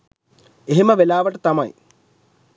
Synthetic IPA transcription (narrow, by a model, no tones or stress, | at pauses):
eɦimɐʋelaːʋɐʈːɨt̪ɐmaj̰